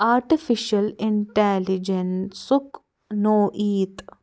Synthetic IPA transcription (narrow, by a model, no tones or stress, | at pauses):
aːɾʈifɪʃɐlɪɳʈɛlid͡ʒensʊk | noːʔiːt̪